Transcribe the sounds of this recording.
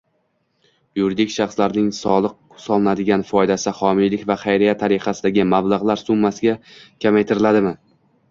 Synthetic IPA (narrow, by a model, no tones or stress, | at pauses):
juɾid̪ɪkʲʃɑχslaɾnɪŋsɒlˠɨq̚ | sɒlˠnad̪ɪɡʲanfɒjd̪asɪχɒmɪjlɪkʲvaχajɾijat̪ʰaɾɪqɑsɪd̪aɡʲɪmablˠaʁlˠaɾsʊmːasɪɡʲakʲʰamajt̪ʰɪɾɪlad̪ɪmɪ